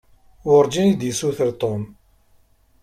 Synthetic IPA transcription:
wʊɾˤd͡ʒinid̪jəsuθəɾt̪ˤom

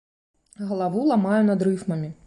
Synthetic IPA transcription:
ɣɐlˠavulˠamajɛnɐd̪ɾɨfmɐmʲi

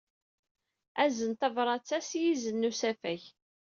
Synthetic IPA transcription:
æzənt̪ævɾˤɑt͡sːæsjizənːusæfæç

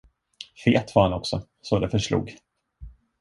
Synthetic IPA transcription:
feːt̪vahanɔksɔ | sod̪ɛfœʂlṵːɡ

